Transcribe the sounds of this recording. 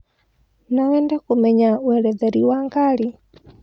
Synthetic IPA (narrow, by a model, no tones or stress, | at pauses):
nawɛndɛkomɛɲawɛɾɛðɛɾiwaŋɡaɾi